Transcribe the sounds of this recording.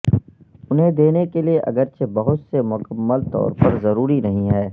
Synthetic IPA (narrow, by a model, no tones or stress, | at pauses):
ʊnɦẽd̪eːnekelieʔɐ̰ɡəɾt͡ʃebɐɦʊt̪semʊkəmːəlt̪ɔ̰ːɾpɐɾzɐɾuːɾinɐɦĩɦɛː